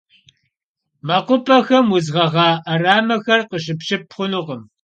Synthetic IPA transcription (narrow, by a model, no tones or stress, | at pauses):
mɐqʷʊpʼɐxɐmwʊzʁɐʁɑːʔɐraːmɐxɐrqəʃ̬ɨpɕɪpχʷʊnʊʁəm